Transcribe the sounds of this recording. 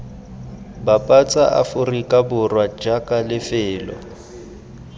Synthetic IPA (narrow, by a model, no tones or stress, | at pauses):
bapʼat͡sʼaʔa̰fʊrikʼabʊrwad͡ʒakʼalɪfɪːlɔ̰